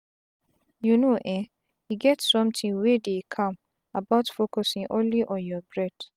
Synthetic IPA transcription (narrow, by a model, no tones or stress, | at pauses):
junoʔɛ̃ | iɡɛtsɔ̃mtʰĩŋwedekʰɔ̃m | abaʊtfokɔsĩŋʔõ̰nliʔɔ̃njɔbɹɛd̥